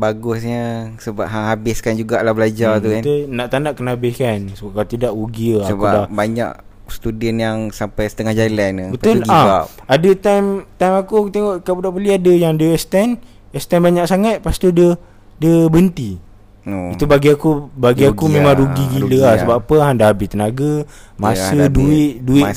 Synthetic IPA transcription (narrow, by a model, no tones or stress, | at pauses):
baɡʊsɲəsəba̰p̚ɦaŋɦabɪskand͡ʒuɡaʔlahbəlad͡ʒat̪ukant̪unaʔt̪andaʔkənabɪhkansəbap̚kalat̪idaʔɾuɡiəasəkuadabaɲa̰ʔ | st̪udənjaŋsampajsət̪əŋahd͡ʒajlɛnbət̪olɡaaadət̪ajmt̪ajmakukut̪eŋɔʔkabudaʔpəliadəjaŋdəɛst̪ɛn | ɛst̪ɛnbaɲaksaŋat̪̚past̪udə | dəbənt̪i | it̪ubaɡiakubaɡiakumẽmãŋɾuɡiɡiləahsəbapapəɦandahabɪst̪ənaɡa | masəduɪʔduɪ